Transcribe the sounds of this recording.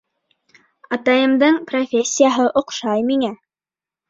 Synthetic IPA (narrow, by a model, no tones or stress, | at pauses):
ɑt̪ɑjɤ̆md̪ɤɴprofʲesʲːijaɦɤʔŏqʃɑjmiŋæ